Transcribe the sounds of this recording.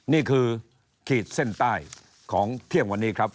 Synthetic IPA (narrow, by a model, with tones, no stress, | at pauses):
niː˥˩kʰɯː˧ | kʰiː˨˩t̪̚se˥˩nt̪aː˥˩j | kʰɔː˩˦ŋt̪ʰi˥˩əŋwa˧nːiː˦˥kʰɾa˦˥p̚